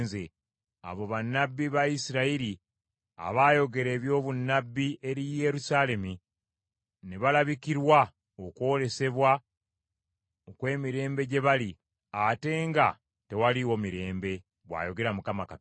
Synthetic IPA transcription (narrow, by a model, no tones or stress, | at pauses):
ze | a̰βo̞βanːabːiβaisiɾaiɾi | a̰βaːjo̞ɡe̞ɾe̞ːβjo̞ːβunːabːiʔe̞ɾije̞ɾusale̞mi | neβalaβikiɾwa | okwo̞ːle̞se̞βwa | okwe̞ːmiɾe̞ːmbe̞ɟe̞βali | ate̞ːŋɡa | te̞waliwo̞miɾe̞ːmbe̞ | βwa̰ːjo̞ɡe̞ɾamukamakat